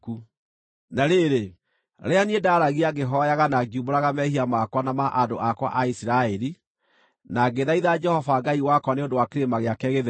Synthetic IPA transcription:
ku | naɾeɾe | ɾeaniedaɾaɣiaɡeɦɔjaɣanaɡiuboɾaɣamɛhiamakwanamaʔadoʔakwa̰ʔaisiɾaɛɾi | naɡeðaiðad͡ʒɛhɔvaɡaiwakwaneondowakeɾemaɣeakɛɣeð

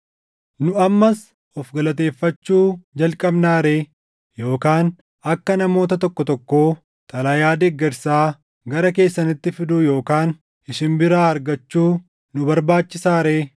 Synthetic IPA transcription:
nʊɐmːɐs | ɔfɡɐlɐt̪e̞ːfːɐt͡ʃːuːd͡ʒɐlkʼɐbnaːɾeː | jo̞ːkaːn | ɐkːɐnɐmo̞ːt̪ɐt̪ɔkːɔt̪ɔkːo̞ː | t̪ʼɐlɐjaːd̪eɡːɛɾsaː | ɡɐɾɐke̞ːsːɐnɪt̪ːɪfɪd̪ʊjo̞ːkaːn | ʔɪʃɪnbɪɾaːɐɾɡɐt͡ʃːuː | nʊbɐɾbaːt͡ʃːɪsaːɾeː

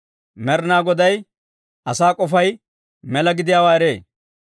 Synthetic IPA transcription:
mɛɾnaːɡɔd̪ɐj | ʔɐsaːkʼɔfɐj | mɛlɐɡɪd̪ɪjaːwaːɛɾe̞ː

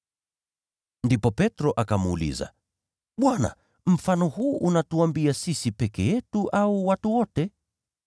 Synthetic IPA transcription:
ndipɔpɛtɾɔʔakamuːlḭza̰ | ɓwana̰ | m̩fanɔhuːʔunatuambiasisipɛkɛjɛtuʔauwatuwɔtɛ

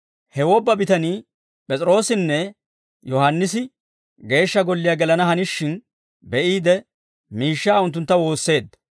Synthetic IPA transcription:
hɛwɔbːɐbɪt̪ɐniː | pʼɛt͡sʼɾo̞ːsɪnːɛ | jɔhɐnːɪsɪ | ɡe̞ːʃːɐɡɔlːɪjaɡɛlɐnɐhɐnɪʃːɪn | bɛʔiːd̪ɛ | miːʃːaːʊnt̪̬ːʊnt̪ːɐwo̞ːsːe̞ːd̪ːɐ

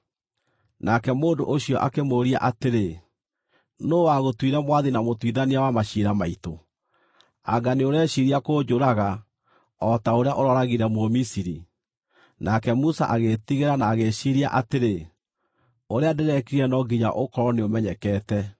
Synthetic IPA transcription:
nakɛmoːndo̰ʔoɕiɔʔa̰kemoːɾia̰ʔateɾe | noːwaɣotwiɾɛmwaðinamotwiðaniawamaɕiɾamaito | a̰ɡaneoɾɛɕiɾiakoːd͡ʑoɾaɣa | ɔtaoɾeaʔoɾɔɾaɣiɾɛmwomisiɾḭ | nakɛmusa̰ʔaɣetiɣeɾanaːɣeʃiɾiaʔateɾe | oɾeadeɾɛkiɾiɛnɔɡiɲa̰ʔokɔɾɔneomɛɲɛkɛtɛ

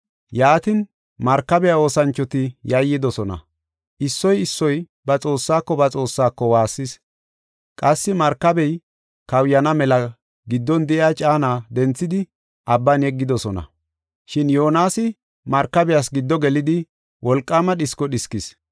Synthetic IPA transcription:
jaːt̪ɪn | mɐɾkːɐbɛjao̞ːsɐnt͡ʃːɔt̪ɪjɐjːɪd̪ɔsɔnɐ̰ | ʔɪsːɔjɪsːɔj | bɐt͡sʼo̞ːsːaːkːɔbɐt͡sʼo̞ːsːaːkːɔwaːsːɪs | kʼɐsːɪmɐɾkːɐbɛj | kɐwjɐnɐmɛlɐ | ɡɪd̪ːɔnd̪ɛʔɪaːt͡ʃʼaːnaːd̪ɛnt͡sːɪd̪ɪ | ʔɐbːɐnɛɡːɪd̪ɔsɔnɐ̰ | ʃɪnjo̞ːnaːsɪ | mɐɾkːɐbɛjasɡɪd̪ːɔɡɛlɪd̪ɪ | wʔɔlkʼːaːmɐɗɪskɔɗɪskɪs

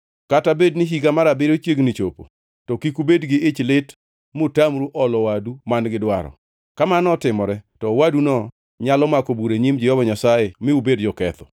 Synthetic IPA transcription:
katabednɪɦiɡamaɾabɪɾot͡ʃjeɡnɪt͡ʃopo̰ | tɔkikubedɡɪɪt͡ʃlɪt | mʊtamɾuʔɔlɔwadumanɡɪdwaɾɔ̰ | kamanɔtɪmɔɾɛtɔwadunɔ | ɲalɔmakobuɾeɲimd͡ʒɪɔbɔɲasajemɪubedd͡ʒɔkɛt̪ɔ̥

